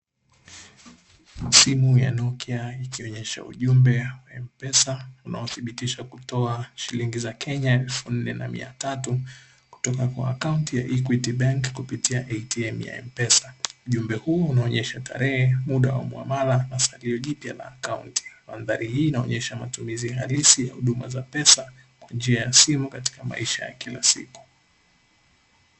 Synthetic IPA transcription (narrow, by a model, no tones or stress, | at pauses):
simuja̰nɔkiaikiɔɲɛʃa̰ṵʄumbɛwaɛmpɛsauna̰ɔθiɓitiʃakutɔaʃiliŋɡizakʰɛɲaɛlfun̩nɛnamḭa̰tatu | ku̥tɔkakwa̰ːkauntija̰ʔik̬witiɓaŋkkupitiaʔɛitiɛmja̰ɛ̰mpɛsauʄumbɛhuɔunaɔɲɛʃatʰa̰ɾɛhɛmuɗawa̰mwa̰malanasaliɔʄipjala̰ːkauntʰi̥manðaɾihiːnaɔɲɛʃamatumiziɦalisijahuɗuma̰zapɛsa | kwand͡ʒiajasimukati̥kama̰iʃaja̰kilasḭku̥